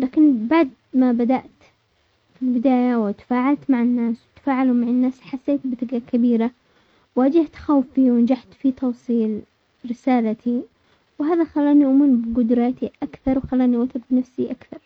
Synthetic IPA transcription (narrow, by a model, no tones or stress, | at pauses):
laːkɪnbaʕd̪̚ | mabad̪aʔt̪ | filbɪd̪aːjawɪt̪ḁfaːʕalt̪maʕɪnːaːswɪt̪ḁfaːʕalumaʕɪnːaːsħasːeːt̪bɪðɪɡakabiːɾa | waːd͡ʒɪht̪xawfiwɪnd͡ʒaħt̪fit̪ɑwsˤiːl | ɾɪsaːlat̪ʰi | wɦaːðaxalːaːniʔʊmuɾbɪɡʊd̪ɾɑːt̪iʔakθɑɾˤwxalːaːniʔʊt̪ɪbbɪnafsiʔakθɑɾˤ